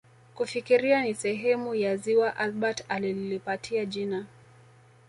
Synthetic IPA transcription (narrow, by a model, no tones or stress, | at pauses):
kufikiɾianisɛɦɛmujaziwaʔalɓatalililipatʰiaʄina